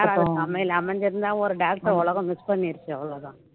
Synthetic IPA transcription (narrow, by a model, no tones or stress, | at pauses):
aːɾaːðɐsɐmɐjɪlɐmɐɲd͡ʒɪɾɯnd̪aːɔɾɯɖaːk̚ʈɐɾɔɭɐɣɐ̃mɪspɐɳːiɾɯt͡ʃːɯɐɔɭɐɣã